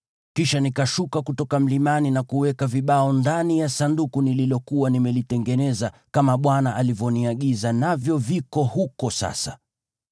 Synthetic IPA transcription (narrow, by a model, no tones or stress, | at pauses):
kiʃanikaʃukakutɔkam̩limaninakuwɛkaviɓaɔndanijasandukunililɔkuwanimɛlitɛŋɡɛnɛzakamaɓwanaʔalivjɔniaɠizanavjɔvikɔhukɔsa̰sa